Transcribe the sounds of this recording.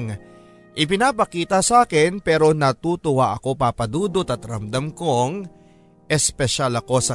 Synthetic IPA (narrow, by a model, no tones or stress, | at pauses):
ŋ | ʔɪp̬ɪnaːpɐkiːt̪ɐsaːkɪnpɛːɾo̞nɐt̪uːt̪ʊwaʔɐko̞paːpɐd̪uːd̪ot̪ɐt̪ɾɐmd̪amko̞ŋ | ʔɛspɛʃalɐko̞sɐ